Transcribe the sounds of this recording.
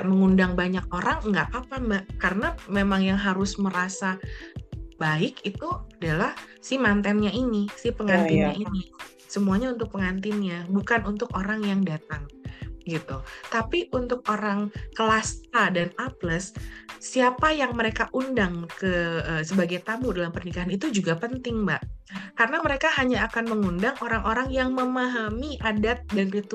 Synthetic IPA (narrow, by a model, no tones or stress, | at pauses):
məŋundaŋbaɲak̚oɾaŋŋɡaʔapambakarənamemaŋjaŋɦaɾʊsməɾasa | baɪkit̪uadalahsɪhmant̪ɛnɲainisɪhpəŋant̪ɪnɲaini | səmuaɲaunt̪ʊk̚pəŋant̪ɪnɲabukanunt̪ʊkoɾaŋjaŋdat̪aŋɡit̪ut̪apiʔunt̪ʊk̚oɾaŋkəlast̪adanapləsːiapajaŋməɾekaʔundaŋkəəsəbaɡajt̪ambudalampərnikaɦanit̪ud͡ʒuɡapənt̪ɪŋbaʔkarənaməɾekaɦaɲaːkanməŋundaŋʔoɾaŋoɾaŋjaŋməmaɦamiʔadat̪̚dankit̪u